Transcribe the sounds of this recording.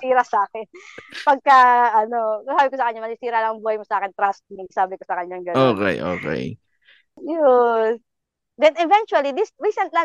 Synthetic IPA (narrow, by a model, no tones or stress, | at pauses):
iːɾɐsɐʔaːkɛnpɐɡ̚kɐʔɐno̞sɐsaːbɪkosɐkɐɲːamɐsisiːɾɐlɐŋŋbuːhɐjmosɐʔaːkɪnt̪ɾast̪̚nɪɡsaːbɪkosɐkɐɲːaŋɡɐoːkɛ̰jʔo̰ːkɛ̰j | jʊ | d̪ɛnɛvɛnt͡ʃuɐlid̪isɹiːsɐnt̪la